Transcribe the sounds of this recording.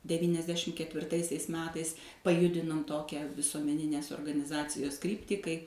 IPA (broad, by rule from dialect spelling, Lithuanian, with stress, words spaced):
dʲɛʋʲiːnʲɛzʲˈdʲæːʃʲɪm kʲɛtʲʋʲɪrˈtɐɪsʲɛɪs ˈmʲæːtɐɪs pɐˈjʊdʲɪnoːm ˈtoːkʲæː ʋʲɪsuɔmʲɛˈnʲɪnʲeːs oːrɡɐnʲɪˈzɑːt͡sʲɪjoːs ˈkrʲiːpʲtʲiː kɐɪ